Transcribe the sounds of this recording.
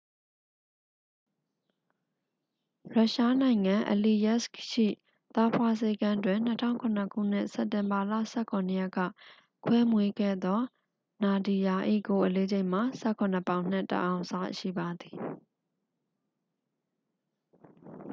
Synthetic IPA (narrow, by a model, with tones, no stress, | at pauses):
ɹa˦ʔʃa˦nã˨ɪ̃ŋã˨ʔə˨li˨jɛ˦˨skʃḭ˦˨ | t̪a˦pʰwa˦se˦ɡã˦twɪ̃˨n̥ətʰã̰˦˨ʊ̃ŋkʰʊ̃˨nə˨kʰṵ˦˨n̥ɪ̰˦˨sɛ˦˨tɪ̃˨mba˨la̰˦˨sɛ˦˨kʰʊ̃˨nə˨jɛ˦kːä̰˦˨ | kʰwɛ˦mwe˦ɡɛ̰˦˨d̪ɔ˦ | na˨di˨ja˨ʔḭ˦˨ɡo˨ʔəle˦d͡ʑe˦ɪ̃m̥a˨sɛ˦˨kʰʊ̃˨nə˨pã˦˨ʊ̃n̥ɪ˦˨tə̰˨ʔã˨ʊ̃sa˦ʃḭ˦˨ba˨d̪i˨